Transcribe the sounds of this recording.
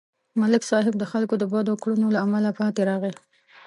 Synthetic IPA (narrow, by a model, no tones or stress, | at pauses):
malɪksɑɦɪb̚d̪əxalkod̪əbɑd̪okɽunolaːmalapɑt̪eɾɑɣəl